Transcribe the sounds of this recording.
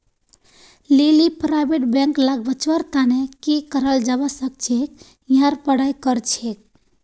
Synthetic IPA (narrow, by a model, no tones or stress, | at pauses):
lelipɾajbeʈbẽŋklaɡbət͡ʃwəɾt̪anekikəɾəld͡ʒabəsək̚t͡ʃʰek̚ | jɦãɾpəɽajkəɾt͡ʃʰek̚